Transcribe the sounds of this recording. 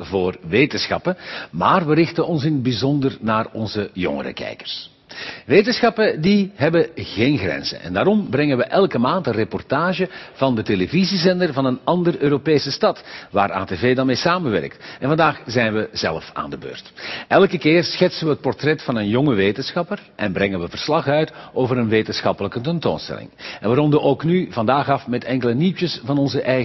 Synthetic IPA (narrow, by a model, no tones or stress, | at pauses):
voːrʋeːtənsxɑ̰pəmaːrʋərɪxtənʔɔnsɪnəbizɔndərnaːrɔ̰nzəjɔ̰ŋə̰ɾə̰kɛ̰jkə̥r̥s | ʋeːtənsxɑpədiɦɛbəɣeːnɣrɛ̰nz̥ə̰nʔɛ̰ndaːɾɔmbɾɛŋəʋəʔɛlˠkəmaːntənrepɔrtaːʒəv̥ɑndətelevizizɛndərvɑnənɑndərøːɾopeːsəstɑtʋa̰ːɾa̰ːteveːdanmeːsaːmənʋɛ̰rək̚tɛnvɑndaːxzɛjnʋəz̥ɛ̰lˠfa̰ːndəbø̰ːrtʔɛlˠkəkɪːrsxɛtsənʋəɦət̚pɔrtrɛtfɑnənjɔŋəʋeːtənsxɑpərʔɛnbrɛŋənʋəvərslɑχœɥtʔoːvəɾənʋeːtənsxɑpələkətɛnto̰ːnstɛ̰lɪ̰ŋɛnʋərɔndəʔoːknyvɑndaːɣɑfmɛtɛŋkələnitəsvɑnɔnzəʔɛj